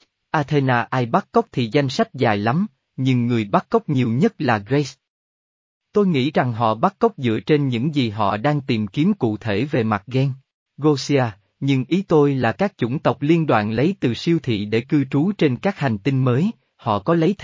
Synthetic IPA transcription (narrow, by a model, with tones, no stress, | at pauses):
ʔaː˧t̪ʰe˧naː˧ʔaː˧jɓa˦˥k̚ːə˦˥wk͡p̚t̪ʰi˨˩za˧jŋ̟sa˦˥jk̟̚zaː˨˩jla˨˦m | ɲɨ˧ŋːɨ˨˩əjɓa˦˥k̚ːə˦˥wk͡p̚ɲi˨˩əwɲə˦˥t̚laː˨˩ɣɣe˧˦s | t̪o˧jŋḭ˧˥za˨˩ŋɦɔ̰˧˨ɓa˦˥k̚ːə˦˥wk͡p̚zɨ̰˧˨ət͡ɕe˧nɲɨ̰˧˥ŋzi˨˩ɦɔ̰˧˨ɗaː˧ŋt̪i˨˩mki˨˦əmkṵ˧˨t̪ʰe˧˩ve˨˩ma˨˩t̚ɣɛ˧ŋ | ɣo˧si˧aː˧ | ɲɨ˧ŋʔi˨˦t̪o˧jlaː˨˩kaː˦˥k̚t͡ɕʊ̰˧˩ŋ͡mt̪ə˨˩wk͡p̚li˧ənɗwa̰ː˧˨nlə˨˦jt̪ɨ˨˩si˧əwt̪ʰḭ˧˨ɗḛ˧˩kɨ˧t͡ɕu˨˦t͡ɕe˧nkaː˦˥k̚ha˨˩jŋ̟t̪i˧nməː˨˦j | hɔ̰˧˨kɔ˨˦lə˨˦jt̪ʰ